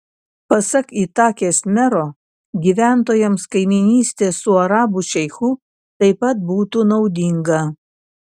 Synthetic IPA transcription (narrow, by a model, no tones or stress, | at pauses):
pɐsɐkit̪ɑːkʲeːsmʲɛɾoː | ɡʲiːʋʲæˑnt̪oːjɛmskɐɪmʲɪnʲiːsʲt̪ʲeːsʊɐɾɑːbʊʃʲɛɪxu | t̪ɐɪpɐt̪̚buːt̪unɒʊd̪ʲɪŋɡɐ